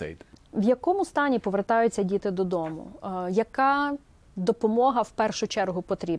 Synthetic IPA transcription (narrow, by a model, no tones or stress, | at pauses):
ɛ̰jd̪ʋjɐkɔmʊst̪ɑnʲipɔʋert̪ɑjʊt͡sʲːɐdʲit̪ɪd̪ɔd̪ɔmʊ̰jɐkɑ | d̪ɔpɔmɔɦɐwpɛrʃʊt͡ʃɛrɦʊpɔt̪ɾʲib